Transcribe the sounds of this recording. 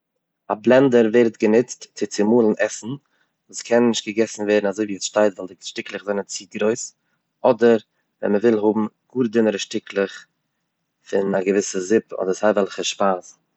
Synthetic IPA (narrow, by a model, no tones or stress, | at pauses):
ablˠɛndəɾveɪɾtɡənɪt͡stt͡sɪt͡sɪmuːlˠn̩ʔɛsn̩ | vuːskʰɛnnːɪʃt̚ɡ̥əɡɛsn̩vɛːɾnazoɪviːɛsʃtaɪtvɛlˠdɪʃtɪklˠəχzaɪnənt͡siːɡɾoɪs | ɔdəɾ | vɛ̰nməvɪlˠhʊbm̩ɡ̥uːɾdɪnəɾəʃtɪklˠɪχ | fɪnaɡəvɪsəzɪpɔ̰dəɾshaɪvɛlˠχəʃpaːs